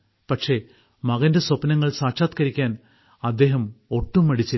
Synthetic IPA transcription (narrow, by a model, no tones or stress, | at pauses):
pɐʈʂe̞ | mɐɣɐnde̞sɐpnɐŋːɐɭsaːʂaːt̪kɐɾikʲːaːn | ɐd̪ːe̞ːɦɐmo̞ʈːumːɐɽit͡ɕːɐ